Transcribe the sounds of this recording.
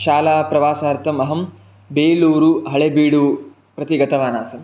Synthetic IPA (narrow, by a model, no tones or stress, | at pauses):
ʃaːlaːpɾɐʋaːsaːɐɾt̪ʰɐmɐɦɐm | beːluːɾuɦɐɭebiːɽu | pɾɐt̪iɡɐt̪ʰɐʋaːnaːsɐm